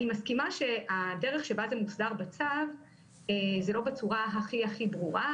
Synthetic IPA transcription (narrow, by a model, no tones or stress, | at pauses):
imaskimaʃe̞adeʁeχʃe̞bazemusdaʁbat͡sav | ezelo̞bet͡suʁaɦaχiaχibʁuʁa